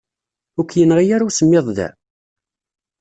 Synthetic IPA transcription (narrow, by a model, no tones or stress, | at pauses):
ʊkʷːjənʁijaɾusəmːɪðˤðæ̰